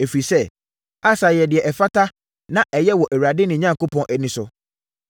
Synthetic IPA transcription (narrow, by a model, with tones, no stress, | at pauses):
e˨fɾi˨sɛ˦˨ | a˦sa˨jɛ˨dɪ˨ɛ˨ʔɛ˨fa˦tʰa˦ | nã˦ʔɛ˨jɛ˦wɔ˨ʔæ˨wu˨ɾa˨dɪ˦nɪ̃˨ɲã˦ŋ˨ko˦pʰɔ̃˦nʔɛ˨nɪ̃˨sʊ˨